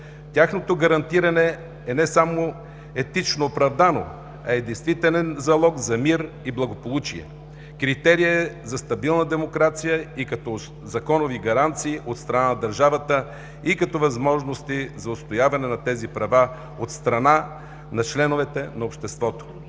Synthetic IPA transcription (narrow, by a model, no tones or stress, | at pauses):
t̪ʲaxnot̪oɡɐɾɐnt̪iɾɐnɛ | ɛnɛsamo | ɛt̪it͡ʃnoːpɾɐvd̪ano̰ | ɐɛd̪ɛjst̪vit̪ɛlɛnzɐlˠɔɡzɐmiɾ | iblˠɐɡopolˠut͡ʃiɛ̰ | kɾit̪ɛɾiəɛzɐst̪ɐbilˠnəd̪ɛmokɾat̪sijəikɐt̪ɔ | zɐkɔnoviɡɐɾant̪siːʔot̪st̪ɾɐnanɐd̪ɐɾʒavət̪ə | ikɐt̪ɔvɐzmɔʒnost̪izɐʊst̪ojavɐnɛnɐt̪ɛzipɾɐva | ot̪st̪ɾɐna | nɐt͡ʃlɛnovɛt̪ɛnɐopʃt̪ɛst̪vɔt̪o̥